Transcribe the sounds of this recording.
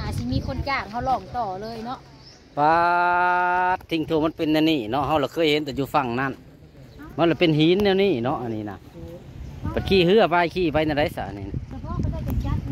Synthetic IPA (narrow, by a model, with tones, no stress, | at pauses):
aː˧˩˨siː˧˩miː˧˥˨kʰo˧˥˨nt͡ɕaː˧˩k̚ha˧˨wlɔː˧˩ŋt̪ɔː˨˩lɤː˧˨jnɔ˧˥ʔ | paː˧ | t̪ʰːi˧˨ŋt̪ʰoː˧˩˨ma˧˥˨npe˧˨nːɛː˧˨niː˧˩nɔ˧ʔɦa˧wla˧˩kʰɤː˧˨jhe˧˦nt̪ɛː˧˩juː˧fa˧˩˨ŋna˧˨n | ma˧˥˨la˧˩˨pe˨nɦi˨˦nːɛː˧˨wniː˧˩˨nɔ˧ʔa˧˨niː˧˨na̰˧˨ | ba˨tkʰiː˧˩˨hɯ˧ɐ˨paː˧˨jkʰiː˧˩pa˧jna˧da˧˨jsa̰˧˨ʔa˧˨ni˧˩na˧˨˧